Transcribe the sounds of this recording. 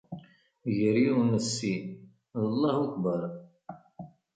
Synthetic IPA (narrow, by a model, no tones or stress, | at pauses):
ʝəɾjuwnəsːi | əlˤːɑhukbəɾˤ